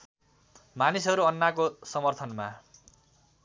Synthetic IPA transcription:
manisɦʌɾuʌnːakosʌmʌrt̪ʰʌnma

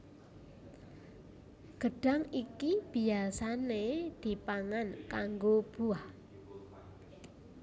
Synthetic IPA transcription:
ɡ̥əɖ̥a̤ŋikib̥iasaned̪̥i̤paŋankaŋɡob̥uah

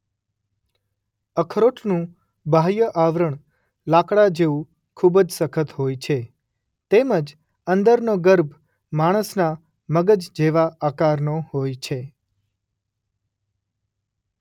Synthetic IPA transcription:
əkʰɾoʈʰnũ | bʱajəʔaʋɾəɳ | lakɽad͡ʒeʋũ | kʰubd͡ʒsəkʰət̪ɦojt͡ʃʰe | t̪eməd͡ʒ | ənd̪əɾnoɡəɾbʱ | maɽ̃əsna | məɡəd͡ʒd͡ʒeʋaakaɾnoɦojt͡ʃʰe

